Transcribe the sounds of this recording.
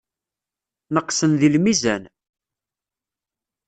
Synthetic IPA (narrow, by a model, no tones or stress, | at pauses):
nəqːsənðilmizæn